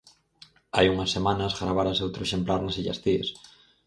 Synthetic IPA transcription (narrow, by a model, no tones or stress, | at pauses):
ajuŋɐsːemãnɐzɣɾaβaɾɐsewt̪ɾoeʃemplaɾnɐsiʎɐ̰st̪ies